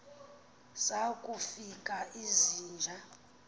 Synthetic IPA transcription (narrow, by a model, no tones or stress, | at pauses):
sakʼufikʼaʔiziːnd͡ʒʱa